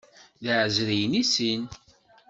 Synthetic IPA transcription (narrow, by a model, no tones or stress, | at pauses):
ðəʕzɾijnisin